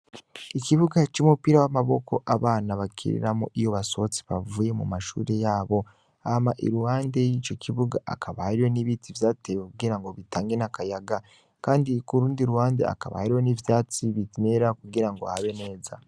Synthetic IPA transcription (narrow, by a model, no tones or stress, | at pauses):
iciβuɡat͡ʃumupiɾawamaβo̞ko̞̰ʔaβaːnaβakʰḭɾḭɾamo̰ʔijo̞βaso̞t͡si̥βavuːje̞mṵmaʃṵːɾe̞jaːβo̞ | amaʔḭɾuwaːnde̞jit͡ʃo̞cʰiβuɡaʔa̰kʰaβaiɾo̞niβitʰivjaːtewekuɡiɾaŋɡo̞βitaːŋɡenakajaɡa | kaːndikuɾuːndiɾuhaːndea̰ka̰βa̰hiɾwo̞nivjaːt͡siβitineɾakuɡiɾaŋɡoahaβe̞ne̞ːza